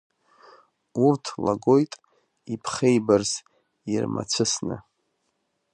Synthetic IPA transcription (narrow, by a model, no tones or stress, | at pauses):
urtʰla̰ɡo̞jtʼ | ipʰχejbarz | irma̰t͡sʷʰɨsnɨ̰